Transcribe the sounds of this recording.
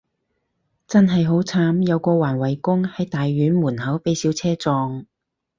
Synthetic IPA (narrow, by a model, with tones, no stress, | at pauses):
t͡sɐ˥nɦɐ˨jɦo˨˥wt͡sʰaː˨˥mjɐ˨˧wkɔː˧waː˨˩nwɐ˨˩jkʊ˥ŋhɐ˨˥jt̪aː˨jːyː˨˥nmuː˨˩nɦɐ˨˥wpe˨˥jsi˨˧˥wt͡sʰɛː˥t͡sɔː˧ŋ